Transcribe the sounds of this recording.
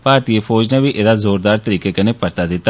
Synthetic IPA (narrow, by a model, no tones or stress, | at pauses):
paːt̪iːepʰoːd͡ʒnẽːʋiːʔeːd̪aːzoːɾd̪aːɾt̪əɾiːkeːkəneːpəɾt̪aːd̪ɪt̪ːa